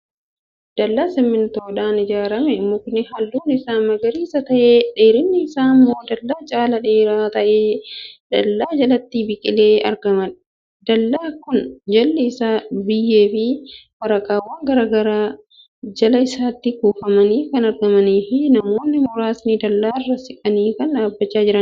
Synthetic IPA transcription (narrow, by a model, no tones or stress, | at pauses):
d̪̥ɐlːaːsɪmːɪnt̪oːᶑaːnɪd͡ʒaːɾɐmɛmʊknɪhɐlːuːnɪɪsaːmɐɡɐɾiːsɐt̪ɐʔeːᶑeːɾɪnːɪːsaːmːo̞ːd̪ɐlːaːt͡ʃʼaːlɐᶑeːɾaːt̪ɐʔeːd̥ɐlːaːd͡ʒɐlɐt̪ːibɪkʼɪ̰leːɐ̰ɾɡɐmɐn | d̪̥ɐlːaːkʊnd͡ʒɐlːɪɪsaːbɪjːeːfɪwɐɾɐkʼaːwaːŋɡɐɾaːɡɐɾa | d͡ʒɐlɐɪsaːt̪ːɪkuːfɐmɐniːkɐnɐɾɡɐmɐniːfɪnɐmo̞ːnːɪmʊɾaːsnɪd̪ɐlːaːrːɐsɪkʼɐniːkɐnᶑaːbːɐt͡ʃːaːd͡ʒɪɾɐn